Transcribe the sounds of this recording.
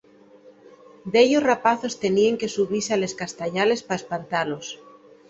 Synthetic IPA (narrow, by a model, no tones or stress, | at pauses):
d̪eʎosrapaθo̞st̪e̞nieŋke̞suβiseale̞skast̪aʎale̞spaespant̪alo̞s